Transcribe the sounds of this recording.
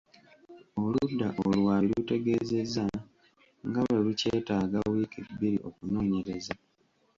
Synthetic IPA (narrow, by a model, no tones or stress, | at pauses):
oludːaʔolwaːelute̞ɡe̞ze̞za | ŋɡaweluce̞ːtaːɡawiːkibːiɾiokuno̞ːɲe̞ɾeza